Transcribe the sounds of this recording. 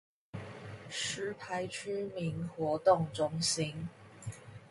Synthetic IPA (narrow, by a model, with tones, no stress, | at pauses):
ʂɻ̩˧˥pʰa˧˥ɪʈ͡ʂ̩ʰ˥mi˧˥nxwɔ˧˥t̪ʊ˥˩ŋʈ͡ʂʊ˥ŋɕi˥n